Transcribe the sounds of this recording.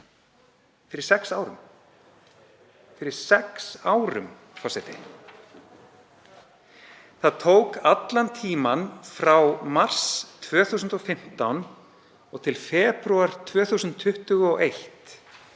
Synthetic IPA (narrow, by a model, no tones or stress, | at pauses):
fɪɾɪɾ̥sɛksaːwɾʏ̰m | fɪɾɪɾ̥sɛksaːwɾʏ̰m | fɔsɛt̪ɪ̰ | θaðt̪ʰowkat̪lant̪ʰiːmanfɾawmar̥st̪ʰvœːθuːsʏnt̪ɔfɪm̥t̪awn | ɔɣt̪ʰɪlfɛːpɾuaɾ̥t̪ʰvœːθusʏnt̪ʰːʏht̪ʏɣɔʔejht̪